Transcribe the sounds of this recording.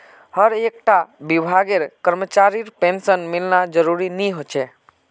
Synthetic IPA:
həɾeːk̚ʈabɪbʱaːɡeɾkəɾmət͡ʃaːɾiɾpẽnsənmɪlnad͡ʒəɾuɾinĩɦot͡ʃʰe

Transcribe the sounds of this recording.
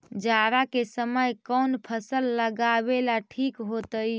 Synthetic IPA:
d͡ʒaɾakesəməjkɔnpʰəsəlːəɡabelaʈʰikɦot̪əj

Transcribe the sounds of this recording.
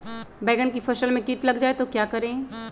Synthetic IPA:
bɛːɡənkifɐʃəlmẽkiːʈlɐɡd͡ʒaːet̪okjaːkɐɾẽ

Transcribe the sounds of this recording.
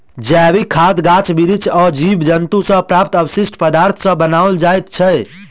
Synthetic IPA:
d͡ʒɛʋikʰad̪ɡat͡ʃbiɾit͡ʃʰɔɾd͡ʒibd͡ʒənt̪usə̃pɾap̚t̪əbsisʈpəd̪aɾt̪ʰsə̃bənawld͡ʒajt̪t͡ʃʰə

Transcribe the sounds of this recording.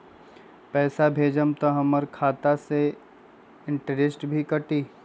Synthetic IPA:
pɛːsabʱeːd͡ʒəmt̪oɦɐməɾkʰaːt̪ase | ɪ̃ɳʈəɖɪsʈbʱikɐʈiː

